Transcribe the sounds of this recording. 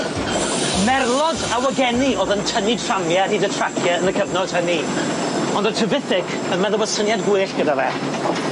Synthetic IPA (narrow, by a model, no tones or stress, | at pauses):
mɛrlˠɔdawəɡɛniʔoːðəntʰəni̥tʰramjɛniːdətʰrakʰjɛənəkʰəvnɔd̥həni | ɔndətʰɨvɪθɪkʰənmɛðɔbəd̥sənjadɡwʊɨɬɡ̥ədavɛː